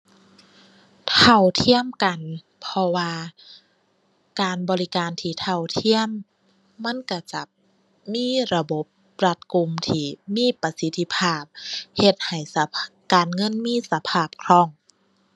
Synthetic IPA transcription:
t̪ʰa˧˩wt̪ʰi˧˥˨əmka˨n | pʰɔ˧waː˧ | kaː˨nbɔː˨˧li˦˧˥kaː˨nt̪ʰiː˧˩t̪ʰa˧˩wt̪ʰi˧˥˨əmː | a˧˥˨nka˧˩t͡ɕa˧˩ | miː˧˥˨ɾa˧bo˧˦p̚ | ɾa˧t̪̚ku˨˧˨mt̪ʰiː˧˩miː˧˥˨pa˧si˧˥t̪ʰːi˧pʰaː˧˩p̚he˧t̪̚ha˨˩js | kaː˨nŋɤ˧˥˨nmiː˧˥˨sa˧pʰaː˧˩p̚kʰɾɔː˧˩˨ŋ

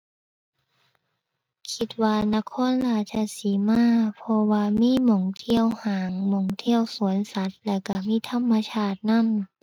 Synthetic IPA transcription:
kʰi˧t̪̚waː˧na˧˥˨kʰɔː˧˥˨nlaː˧˩t͡ɕʰa˧˩siː˨˦maː˧˥˨pʰɔ˧waː˧miː˧˥˨mɔ˧˩ŋt̪ʰi˧˨əwhaː˨˩˦ŋmo˧˩ŋt̪ʰi˧˥˨əwsu˩˦ənsa˧˦t̪̚lɛː˧˩ka˧˩miː˧˥˨t̪ʰa˧˥˨mːa˧t͡ɕʰaː˧˩t̪̚na˧˥˨n

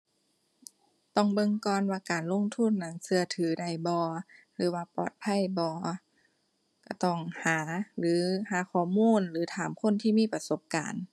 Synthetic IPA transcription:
t̪ɔ˧˩˨ŋbɤ˧˨ŋkɔː˧˨nwaː˧kaː˨nlo˧˥˨ŋt̪ʰu˧˥˨nːa˧˩ŋsɯ˧ɐt̪ʰɯː˨˦da˧˩jbɔː˧˦ | lɯː˨˦waː˧pɔ̰ː˧˩t̪̚pʰa˧˥˨jbɔː˧˦ | ka˧˩t̪ɔ˧˩ŋhaː˨˦lɯː˨˦haː˨˦kʰɔː˧˩˦muː˧˥˨nlɯː˨˦t̪ʰaː˨˦mkʰo˧˥˨nt̪ʰiː˧˩miː˧˥˨pa˧so˧˦p̚ka̰ː˨n

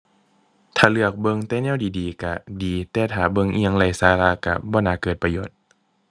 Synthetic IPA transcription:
t̪ʰaː˨˩lɯ˧˩ək̚bɤ˧˨ŋt̪ɛː˧˦nɛː˧˥˨wdiː˨diː˨ka˧˩diː˨˩t̪ɛː˧t̪ʰaː˨˩bɤ˧˨ŋʔi˧˩ə˨ŋla˧˩jsaː˧˦laː˧˨ka̰˧˩bɔː˧˦naː˧˩kɤː˨˩t̪̚pa˧joː˧˩t̪̚

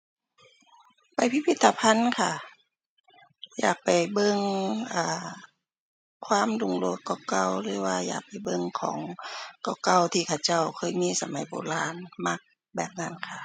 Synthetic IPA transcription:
pa˨˩jpʰi˧˥pʰi˧t̪ʰːa˧pʰa˧˥˨nkʰa˧˩ | ja̰ː˨˩k̚pa˨˩jbɤ˧˨ŋʔaː˧˩ | kʰwaː˧˥˨mdu˧˩ŋlu˧˦əkːɔ˧˩ka˧˩˨wlɯː˨˦waː˧˩ja̰ː˨˩k̚pa˨˩jbɤ˧ŋkʰɔ̰ː˩˦ŋkɔ˧˩wka˧˩˨wt̪ʰiː˧˩kʰa˧˩wt͡ɕa˧˩˨wkʰɤː˧˨jmiː˧˥˨sa˧ma˨˦jbo̰ː˧˨laː˧˨nma˧˩k̚ | bɛː˨˩p̚na˧˥˨nkʰa˧˩

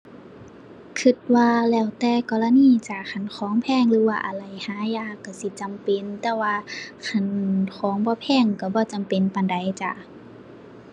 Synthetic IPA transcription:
kʰɯ˧˩t̪̚waː˧lɛː˧˩wt̪ɛː˧kɔː˧˨la˧niː˧˨t͡ɕa˧˩kʰa˧˩˨nkʰɔː˨˦ŋpʰɛː˧˨ŋlɯː˨˦waː˧ʔa˨˩la˨˩jhaː˨˦jaː˧˩˨kːa˧˩si˧˦t͡ɕa˨mpe˨nt̪ɛː˧˩waː˧kʰa˧˩nkʰɔː˨˦ŋbɔː˧˦pʰɛː˧˩˨ŋka˧˩bɔː˧˦t͡ɕa˨mpe˨npa˨nda˨jt͡ɕa˧˩

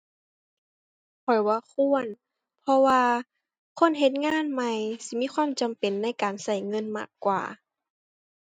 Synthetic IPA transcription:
kʰɔ˨˩jwaː˧kʰu˧˩˨ən | pʰɔ˧waː˧ | kʰo˧˥˨nɦe˧˥t̪̚ŋaː˧˥˨nma˧jsi˧˦miː˧˥˨xʰwaː˧˥˨mt͡ɕa˨mpe˨nːa˧˥˨jkaː˨nsa˧˩jŋɤ˧˥˨nma̰ː˧˩kːwa̰ː˨˩

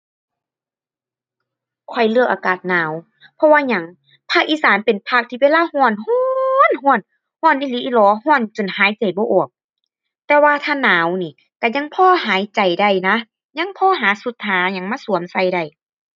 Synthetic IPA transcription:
kʰɔ˧˩jlɯ˧ək̚ʔaː˨kaː˨˩t̪̚naː˨˦w | pʰɔ˧waː˧ɲa˧˦ŋ | pʰaː˧˩k̚ʔiː˧˥˨saː˨˦npe˨˩npʰa˧k̚t̪ʰiː˧weː˧˥˨laː˧˥˨hɔː˧˩˨nhɔː˧˨nɦɔː˧˥˨n | hɔː˧˩˨nʔiː˧˨liː˧˦ʔi˧˨lɔː˨˧˦hɔː˧˥˨nt͡ɕo˨nhaː˨˦jt͡ɕa˨˩jbɔː˧˦ʔɔː˨˩ək̚ | t̪ɛː˧waː˧t̪ʰaː˧˥˨naː˨˦wniː˧˩ | ka˧˩ɲa˧˥ŋpʰɔː˧˥˨ɦaː˨˦jt͡ɕa˨˩jda˧˩jna˧ | ɲa˧˥˨ŋpʰɔː˧˨ɦaː˨˦su˧˦t̪ʰːaː˨˦ɲa˧˦ŋmaː˧˨su˨˦msa˧˩jda˧˩j

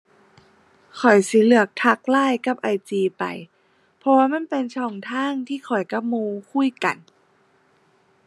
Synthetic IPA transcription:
kʰɔ˨˩jsi˧˦lɯ˧˩ək̚t̪ʰa˧˥k̚laː˥˩˨jka˧˥p̚ʔa˧˩jt͡ɕiː˧pa̰˨˩j | pʰɔ˧waː˧ma˧˥˨npe˧nt͡ɕʰɔː˧˩ŋt̪ʰaː˥˩˨ŋt̪ʰiː˧˥˩xʰɔ˨˩jka˧˥p̚muː˧kʰu˧˥˨jka̰˨˩n

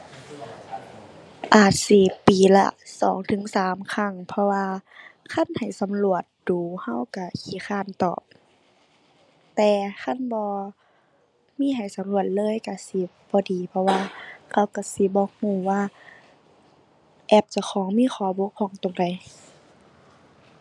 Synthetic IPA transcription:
ʔaː˨˩t̪̚siː˧˨˩piː˨˩la̰˧˩sɔː˨˦ŋt̪ʰɯ˨˦ŋsaː˨˦mkʰa˧˩˨ŋpʰɔ˧waː˧kʰa˧˥˨nha˨˩jsa˨˦mlu˧˩ət̪̚d̥uː˨˩ha˧˩˨wka˧˩kʰiː˧˦kxʰaː˧˩˨nt̪ɔ̰ː˨˩p̚ | t̪ɛː˨˩kʰa˧˥˨nbɔː˧˦ | miː˧˥˨ɦa˨˩jsa˨˦mlu˧˩ət̪̚lɤː˧˥˨jka˧˩si˧˦bɔː˧˦diː˨˦pʰɔ˧waː˧kʰa˧˥˨wka˧˩si˧˦bɔː˧˦huː˧˩waː˧˨ | ʔɛː˧˩p̚t͡ɕa˧˩kʰɔː˨˦ŋmiː˧˥˨xʰɔː˨˦bo˧˦kʰɔː˧˩˦ŋt̪o˨ŋda˨˩j

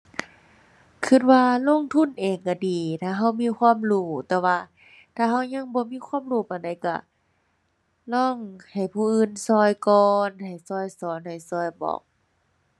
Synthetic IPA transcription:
kʰɯ˧˩t̪̚waː˧lo˧˥˨ŋt̪ʰu˧˥˨nʔeː˨˩ŋka˧˩diː˨˩t̪ʰaː˧˩ɦa˧˥˩wmiː˧˥˨kʰwaː˧˥˨mluː˧˩t̪ɛː˧waː˧ | t̪ʰaː˧˩ɦa˧˩˨wɲa˧˥˨ŋbɔː˧˦miː˧˥˨kʰwaː˧˥˨mluː˧˩˨pa˨˩nda˧˩jka̰˧˩ | lɔː˧˥˩ŋha˨˩jpʰuː˧˨ʔɯː˧˨nsɔː˧˩jkɔː˧nha˨˩jsɔː˧˩jsɔː˨˦nha˨˩jsɔː˧˩jbɔ̰ː˨˩k̚

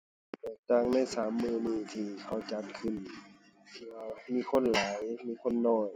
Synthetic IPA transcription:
t̪ɛː˧˩k̚t̪aː˧˩˨ŋna˧˥˨jsaː˩˨˦mːɯː˧˩niː˧˩t̪ʰiː˧˩kʰa˧˩wt͡ɕa˧˦t̪̚kʰɯ˧˩n˧ | miː˧˥˨kʰo˧˥˨nlaː˨˦jmiː˧˥˨kʰo˧˥˨nːɔː˧˥˩j

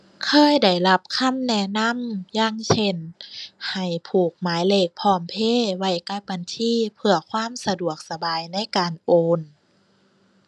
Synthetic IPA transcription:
kʰɤː˧˥˨jda˧˩jla˧˦˥p̚kʰa˧˥˨mnɛ˧˩na˧˥˨mjaː˧˥˨ŋsʰe˧˩nha˨˩jpʰuː˨˩k̚maː˨˦jleː˧˩k̚pʰɔː˧˩mpʰeː˧˥˨wa˧˩jka˧˥˩ba˧˨nt̪ʰiː˧˥˨pʰɯ˧ɐkʰwaː˧˥˨msa˧du˨˩ək̚sa˧baː˨jna˧˥˨jkaː˨nʔoː˧n

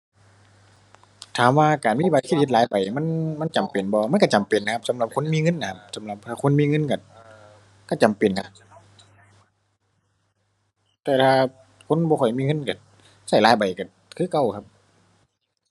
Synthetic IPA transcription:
t̪ʰaː˨˩mwaː˧kaː˨˩nmiː˧˥˨a˨˧˩kʰi˧˩˨i˧˩laː˨˦jba˨˩jma˧˥˨nma˧˥˨nt͡ɕa˨mpe˨˩nbɔː˧ma˧˥˨nka˧˩t͡ɕa˨mpe˨˩nːa˧kʰp̚sa˨˦mla˧˦p̚kʰo˧˥˨nmiː˧˥˨ŋɤ˧˥˨nːʔa˧˩kʰa˧p̚sa˨˦mla˧p̚t̪ʰaː˧˩kʰo˧˥˨nmiː˧˥˨ŋɤ˧˥˨nka˧˩ | ka˧˩t͡ɕa˨mpe˨˩nkʰa˧ | t̪ɛː˧t̪ʰaː˧ | kʰo˧˥˨nbɔː˧kʰɔ˧˩jmiː˧˨ŋɤ˧˥˨nka˨˧˩ | sa˧˩jlaː˨˦jba˨˩jka˧˩ | kʰɯː˧˥˨ka˧˩˨wkʰa˧p̚

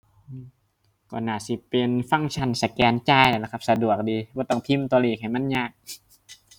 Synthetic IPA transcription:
ʔɯː˧˩ | kɔː˧˩naː˧˩si˧˦pe˧nfa˧˩˨ŋt͡ɕʰa˧˩˨nsa˧˩kɛː˨˧nt͡ɕaː˧˩˨jla˧˩la˧˩kʰa˧p̚sa˧du˨˩ək̚diː˧bɔː˧˦t̪ɔ˧˩ŋt̪ʰi˧˥˨mt̪ɔː˧liː˧˩k̚ha˨˩jma˧˥˨nɲaː˧˩k̚

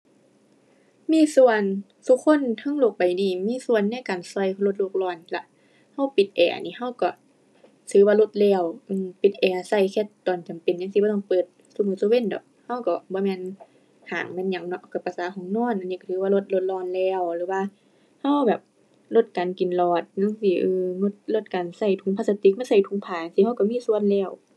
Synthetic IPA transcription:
miː˧˥˨su˧˨ən | sʰu˧kʰo˧˥˨nt̪ʰa˧˥˨ŋlo˧˩k̚pa˨jdiː˨miː˧˥˨su˧˨ənːa˧˥˨jkaː˨nsɔ˧jlo˧t̪̚lo˧k̚lɔː˧˩nla˧ʔ | ha˧˩˨wpi˨˩t̪̚ʔɛ̰ː˨˩˨ʔa̰˨niː˧˨ha˧˥˨wkɔ˧˩ | sʰɯː˧˦waː˧lo˧t̪̚lɛː˧˩˨wʔɯː˧˨mpi˨˦t̪̚ʔɛː˨˩ʔa˨sa˧˩jkʰɛ˧˦t̪ːɔː˨˩nt͡ɕa˨mpe˨nɲa˧ŋsi˧bɔː˧˦ɔː˧ŋpɤː˨˩t̪̚ | su˧˨mɯː˧˨su˧we˧˥˨ndɔ̰˨˦k̚ha˧˩˨wkɔ˧˩bɔː˧˦mɛː˧˨n | haː˨˩ŋmɛ˧˨nɲa˧˩˦ŋnɔ˧ʔka˧˩pa˨˧˩saː˨˦kʰɔː˨˧˦ŋnɔː˧˥˨nʔa˨nːiː˧˨ka˧˩t̪ʰɯː˧˦wa˧˨lo˧t̪̚lo˧t̪̚lɔː˧˨nlɛː˧˩wlɯː˨˦waː˧˨ | ha˧˥˨wbɛː˨˩p̚ | lo˧˩t̪̚kaː˨nki˨˩nlɔː˧˩t̪̚ɲa˧˥˨ŋsiː˧˩ʔɯː˧ŋo˧˩t̪̚lo˧˩t̪̚kaː˨nsa˧˩jt̪ʰu˧˦ŋpʰaː˧˨sa˧t̪i˧˦k̚ma˧˥˨nsa˧˩jt̪ʰu˧˦ŋpʰaː˨a˧ŋsi˧ha˧˨wka˧˩miː˧˥˨su˧˨ə˨nlɛː˧˩˨w

